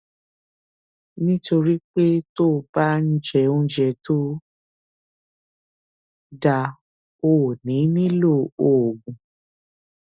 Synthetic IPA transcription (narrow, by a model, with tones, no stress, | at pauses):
nĩ˦to˧ɾi˦k͡pe˦to˦˨ba˦n̩˦d͡ʒɛ˧˨õ˧d͡ʒɛ˧to˦ | da˧ | o˨nĩ˨˦nĩ˦lo˦˨o˨ɡũ˨